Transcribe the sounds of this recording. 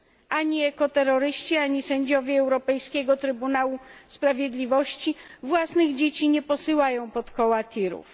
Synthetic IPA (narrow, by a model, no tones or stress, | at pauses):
ʔaɲiɛkɔt̪ɛɾɔɾɘɕt͡ɕiaɲisɛɲd͡ʑɔvʲjɛɛwɾɔpɛjskʲeɡɔt̪ɾɘbunawuspɾavʲjed̪lʲivɔɕt͡ɕivwasnɘɣd͡ʑet͡ɕiɲɛpɔsɘwajɔ̃w̃pɔt̪kɔwat̪ʲʰiɾṵf